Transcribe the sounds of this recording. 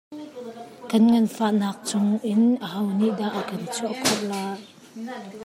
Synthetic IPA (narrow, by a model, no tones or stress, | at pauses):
kɐnŋɐnfaʔnaːk̚t͡sʊŋʔɪnʔəɦɐwniʔdaʔːəkɐnt͡sʰɔʔkʰɔʔ̚laːj